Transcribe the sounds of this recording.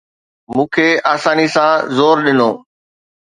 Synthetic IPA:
mũːkʰeːaːsaːnisãzoːɾɗɪnoː

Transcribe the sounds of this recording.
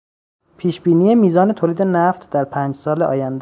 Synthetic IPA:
pʰiːʃbiːniːjemiːzɒːnet̪ʰoːliːd̪e̞næft̪ʰd̪æɾpʰæːnd͡ʒsɒːleʔɒ̰ːjænd̪

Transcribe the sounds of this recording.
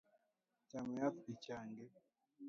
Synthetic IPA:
camajat̪icaːŋɡe

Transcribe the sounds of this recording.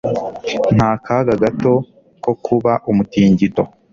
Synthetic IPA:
n̥haːkʰaɡaɡato̞ | ko̞kʰuβaʔumutiːɲɟito̞

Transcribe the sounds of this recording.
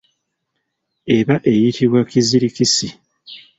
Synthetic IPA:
e̞βaʔe̞jitʰiβwakiziɾikisi

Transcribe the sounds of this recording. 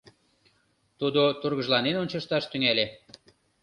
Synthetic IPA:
t̪ud̪ot̪urɣəʒlɑnenonʲt͡ɕɑʃt̪ɑʃt̪yŋæle

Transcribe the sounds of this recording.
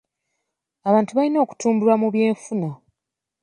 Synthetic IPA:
aβaːntuβalino̞ːku̥tuːmbuɾwamuβje̞ːɱfuna

